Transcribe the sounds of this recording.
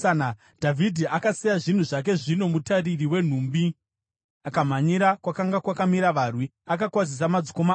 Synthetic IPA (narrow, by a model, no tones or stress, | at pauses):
na | dʱavʱidʱiakasijaʐin̤uʐak̬e̞ʐino̞mutaririwe̞n̤uːmbi | akam̤aɲiɾakwakaŋɡakwakamiɾaʋarwiakakwazis̬amad͡ziko̞ma